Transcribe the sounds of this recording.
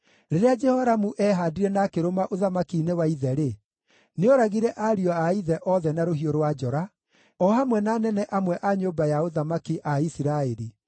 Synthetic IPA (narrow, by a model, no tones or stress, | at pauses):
ɾeɾead͡ʒɛhɔɾamuʔɛɦaːdiɾɛnakeɾomaʔoðamakinewaiðɛɾe | neoɾaɣiɾɛʔaɾiɔaiðɛʔɔðɛnaɾoɦioɾowad͡ʒɔɾa | ɔhamwɛnanɛnɛʔamwɛʔaɲoːbajaoðamakiʔaisiɾaeɾi